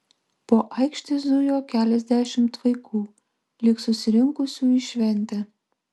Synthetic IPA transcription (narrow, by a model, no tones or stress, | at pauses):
poːʔɑɪkʃʲt̪ʲezd̪ujoːkʲælʲɛzʲd̪ʲæʃʲɪmt̪ʋɐɪkʰuː | lʲɪksʊsʲɪɾʲɪŋkʊsʲuiʃʲʋʲɛnʲt̪ʲɛ